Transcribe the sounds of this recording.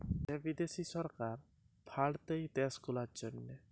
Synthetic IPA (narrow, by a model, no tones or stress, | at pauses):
ɛbid̪esisɔɾkaɾ | pʰaɽt̪ejt̪ɛskulaɾd͡ʒonːe